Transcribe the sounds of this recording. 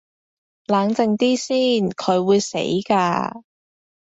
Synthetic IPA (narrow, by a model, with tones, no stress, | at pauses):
laː˨˧ŋt͡sɪ˧ŋt̪iː˥siː˥˩nkʰɵ˨˧ɥwuː˨˧jsḛ˨˥jkaː˧